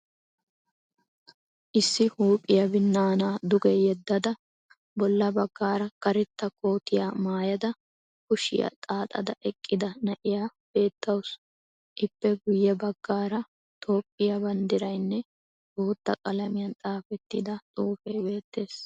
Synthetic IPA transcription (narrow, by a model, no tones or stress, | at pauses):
ʔɪsːɪhuːpʼɪjɐbɪnːaːnaːd̪ʊɡɛjɛd̪ːɐd̪ɐ | bɔlːɐbɐɡːaːɾɐkɐɾɛt̪ːɐko̞ːt̪ɪjaːmaːjɐd̪ɐ | kʊʃɪ̰jɐ̰t̪ʼaːt̪ʼɐd̪ɐʔɛkʼːɪd̪ɐnɐʔɪjaːb̥e̞ːt̪ːɐwʊs | ʔɪpːɛɡʊjːɛbɐɡːaːɾɐ | t̪ʰo̞ːpʼːɪjɐbɐnd̪ɪɾɐjnːɛ | t̪oːt̪ːɐkʼɐlɐmɪjɐnt̪ʼaːfɛt̪ːɪd̪ɐt̪ʼuːfɛjbe̞ːt̪ːe̞ːs